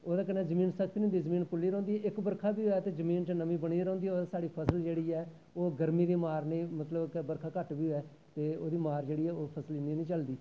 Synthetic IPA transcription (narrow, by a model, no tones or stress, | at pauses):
oːd̪aːkənɛːzəmĩːnsək̚ʰd̪iːʊ̃nd̪iːzəmiːnpʊlːiːɾɔ̃ːnd̪iːɛːʔɪkbəɾkʰaːbiːoɛːt̪eːzəmiːnt͡ʃːnəmĩːbəɽ̃iːɾɔ̃ːnd̪iːɛːoːd̪aːsaːɽiːpʰəsəld͡ʒeːɽiːɛː | oːɡəɾmiːd̪iːmaːɾnĩːmət̪ləbkbəɾkʰaːkəʈbiːoɛː | t̪eːo̰ːd̪iːmaːɾd͡ʒeːɽiːɛːoːpʰəsəlɪnd̪iːnĩːt͡ʃəld̪iː